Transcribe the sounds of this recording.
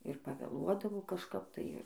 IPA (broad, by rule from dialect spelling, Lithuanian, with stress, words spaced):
ɪr pɐʋʲeːˈlˠuɔdɐʋoː kɐʃˈkɐp tɐɪ ˈɪr